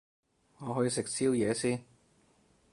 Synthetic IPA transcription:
ŋɔː˨˧ɦɔː˨˥jiː˨˧sɪ˨k̚siː˥wjɛː˨˧siː˥n

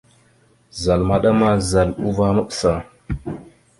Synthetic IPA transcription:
za˨lma˦ɗa˦ma˦za˨lu˦va˦ma˦ɓsa˨

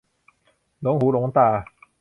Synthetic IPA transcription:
lo˨˦ŋɦuː˨˦lo˨˩˦ŋt̪aː˧˩

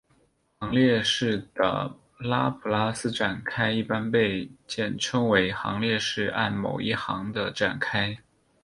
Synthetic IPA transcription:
xɑ˧˥ŋljɛ˥˧ʂɻ̩˥˩d̪ə̰˩ | la˥pʰu˨˩la˥sɹ̩˥ʈ͡ʂa˨˩nkʰa˥ɪi˥˩pa˥npe˥˧ɪt͡ɕjɛ˥˩nʈ͡ʂʰɤ˥ŋwe˧˥ɪxɑ̰˧˥ŋljɛ˥˧ʂɻ̩˥˩a̰˥˩nmo̰˨˩ʊi˥˩xɑ˧˥ŋd̪ə˧ʈ͡ʂa̰˨˩nkʰa˥ɪ

